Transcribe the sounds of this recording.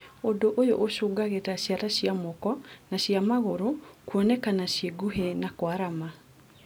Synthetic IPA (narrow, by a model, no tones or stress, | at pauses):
odoʔojo̰ʔoʃoːɡaɣetaɕjaɾaɕiamɔkɔnaɕjamaɣoɾokwɔnɛkanaɕjeɡuɦenakwaɾama